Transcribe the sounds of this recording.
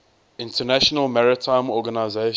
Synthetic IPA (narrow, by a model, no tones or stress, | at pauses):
ɪ̃ntʰənæʃɔnəlmaɹɪtʰãɪ̃mɔɡənaɪze